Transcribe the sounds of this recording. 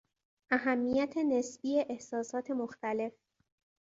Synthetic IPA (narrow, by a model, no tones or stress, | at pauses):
ʔæɦæmːijæt̪ʰe̞nesbiːe̞ʔehsɒːsɒːt̪ʰe̞moxt̪æle̞f